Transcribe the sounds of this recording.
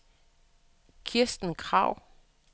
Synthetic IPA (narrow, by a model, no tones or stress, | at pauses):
kʰiɐsd̥n̩kʰʁɑ̈ʊ̰